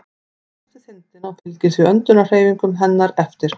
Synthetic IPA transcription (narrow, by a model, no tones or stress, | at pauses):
ɛθɪθɪnt̪ɪnawfɪlcɪsviœnt̪ʏnar̥eːjviŋkʏmɦɛnːaɾɛft̪ɪɾ̥